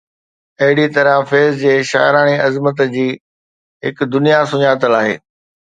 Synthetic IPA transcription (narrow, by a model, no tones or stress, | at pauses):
ɐɦɪɽit̪ɐɾãfeːzd͡ʑeːʃa̰ːjɾaːɽ̃iɐzmət̪d͡ʑiː | ɦɪkd̪ʊnijasʊɲaːt̪əlaːɦḛː